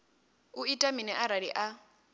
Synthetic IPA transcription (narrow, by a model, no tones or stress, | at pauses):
uitʼaminɛʔaɾaɺiʔa